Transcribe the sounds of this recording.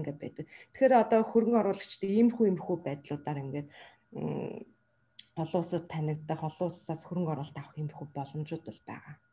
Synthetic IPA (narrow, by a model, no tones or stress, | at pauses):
ŋɡeːpæ̰ːt̪ə̆k̚t̪ʰkxeːɾɔt̪ɔːxɵɾɘ̆ŋɔɾʊːɮə̆kt͡ɕʰt̪ʰeimxuːjimxuːpæːt̪ɮʊːt̪aːɾiŋɡeːt̪̚ | χɔɮʊːsə̆t̪ʰːænʲɪ̆kt̪ːə̆ːχɔɮʊːssaːsxɵɾɵ̆ŋkɔɾʊːɮt̪awə̥̆ximxuːpɔɮɞ̆mt͡ɕʊːt̪ə̆ɮpæ̰ːʁaː